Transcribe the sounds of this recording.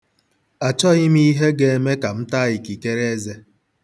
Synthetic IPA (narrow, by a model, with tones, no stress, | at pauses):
a˨t͡ʃɔ˦ɣɪ˦mi˦i˦ɦe˦ɡe˦e˦me˦ka˨m̩˦ta˦ɣɪ˨ki˨ke˦ɾe˦e˦ze˦